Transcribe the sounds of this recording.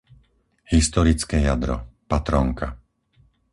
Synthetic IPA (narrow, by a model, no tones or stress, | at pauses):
hist̪ɔɾit͡skɛːjad̪ɾɔ̰pat̪ɾɔŋka